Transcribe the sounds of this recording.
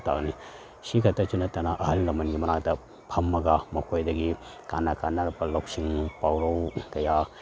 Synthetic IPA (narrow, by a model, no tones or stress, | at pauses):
ta̰k̚ni | sikʰɐtɐt͡ʃunɐtɐnaʔɐhɐlːɐmɐnɡimɐnak̚tɐ | pʰɐmːɐɡamɐkʰojdɐɡi | kanakʰanːɐɾpɐlok̚siŋpawɾɐwkɐja